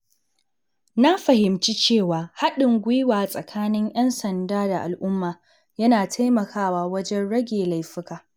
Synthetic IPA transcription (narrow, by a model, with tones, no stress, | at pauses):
na˦ɸɐ˨hɪ˨mt͡ʃi˦t͡ʃeː˦˨waː˨ha˦ɗɪ˨ŋɡʷɪ˦jwaː˨sʼɐ˨kʰaː˦nɪ˦ŋʔj̰ɐ˦nsɐ˨ndaː˦da˨ʔa̰˨lʔʊ˦mːaː˨ | jɐ˦naː˨tʰa˦jmɐ˨kʰaː˦waː˦wɐ˦d͡ʒɛ˦nɽɐ˦ɡʲeː˨la˨jɸɪ˦kaː˨